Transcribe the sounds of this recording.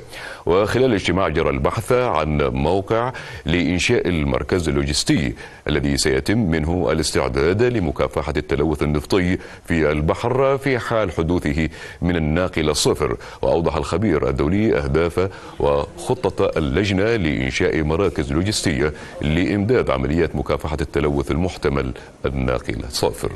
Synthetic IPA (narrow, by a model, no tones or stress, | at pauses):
wʔɪxɪlaːlɪd͡ʒt̪ɪmaːʕd͡ʒɑɾˤɑlbaħθʕa̰nmawqɪʕlɪʔɪnʃaːʔalmɑ̰ɾˤkazalːʊd͡ʒɪst̪ɪjː | ʔʔalːaðisaja̰t̪ɪmːɪnɦʊʔa̰lɪst̪ɪ̰ʕd̪aːd̪lɪmʊka̰ːfaħat̪ːalawːʊθanːɨft̪ˤɨjː | fialbaħɾfiħaːlħʊd̪uːθɪɦ | mɪnanːaːqɪlasˤːɑfɾ | wɪ̰ʔɑ̰wd̪ˤɑħalxabiːɾʔa̰d̪ːaːliːʔa̰hd̪aːfa | wɪxʊt̪ˤːɑlːad͡ʒnalɪʔɪ̰nʃaːʔmɑɾˤɑːkɪzlʊːd͡ʒɪst̪ɪjːa | lɪʔɪmd̪aːd̪ʕa̰malɪjːaːt̪mʊkaːfaħat̪ːalawːʊθalmʊħt̪amal | ʔanːa̰ːqɨ̰la̰sˤɑ̰fɾ